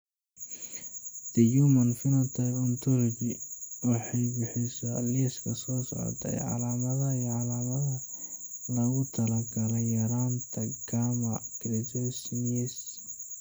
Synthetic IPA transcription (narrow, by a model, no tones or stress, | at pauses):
d̪̥ɐjumɐnfɪnɐt̪ʰɐlɔnt̪ʰɔlɔɡɪwɑħɑjbɪħɪsɐɐ̰ljɛskʰɐsɔːsɔ̰ʕɔ̰t̪ʰɐ̰jʕɑ̰laːmɐðɐiʕɑlaːmɐðɐ | lɐɣʊt̪ʰɐlɐɡɐlɛjɐɾaːnt̪ʰɐɡ̥aːmɐɡɾɛd͡ʒɔsnɛs